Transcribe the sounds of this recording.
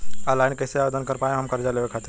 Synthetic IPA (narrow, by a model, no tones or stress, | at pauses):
alaɪɳkəɪseaːʋed̪ʱənkəɾpaːjẽɦɐmkəɾd͡ʒaleɦekʰat̪ɪɾ